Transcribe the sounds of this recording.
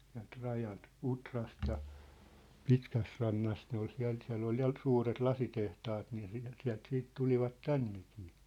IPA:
siæ̝lt rɑjɑlt utrɑst jɑ pitkæsrɑnːɑst ne ol siæ̝l siæ̝lː ol jɑ suːret lɑsitehtɑːt niː siæl siæ̝lt siːt tuliʋɑt tænːeki̥ː

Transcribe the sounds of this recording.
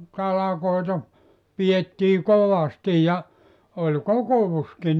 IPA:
tɑlɑkoitɑ pijetːiː koʋɑsti jɑ olʲ kokoʋuski

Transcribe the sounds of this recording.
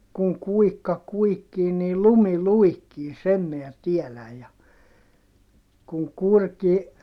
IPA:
kuŋ kuikːɑ kuikːiː niːl lumi luikːiː sem miæ tielæj jɑ kuŋ kurki

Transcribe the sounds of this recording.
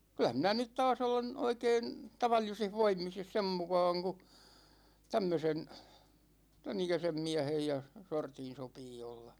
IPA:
kylæ minæ nyt tɑːs olen oikeːn tɑʋɑlːisih ʋoimis jɑ sem mukɑːŋ ku tæmːøsen tænikæsem miæ̝hej jɑ sortin̞ sopiː olːɑ

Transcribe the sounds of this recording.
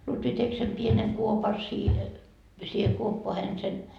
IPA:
lutʋi tek sem pieneŋ kuopɑ siːhe siːhe kuopːoɑhen sen

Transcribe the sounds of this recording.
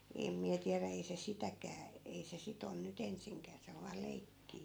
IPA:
em miæ tiæræ ei se sitækæː ei se sit on nyt ensiŋkæː se oʋ ʋɑː leikːiː

